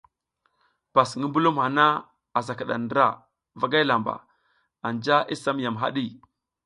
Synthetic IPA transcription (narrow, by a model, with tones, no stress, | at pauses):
pa˨sŋi˦mbu˦lu˦mha˨na˦ | a˨za˨ka˨ɗa̰˨ndɾa̰˦˨ | va˨ɡa˦la˨mba̰˨ | a˨nd͡ʒa˦ʔi˦sa˦m˦ja˨mɦa̰˦ɗi˦˨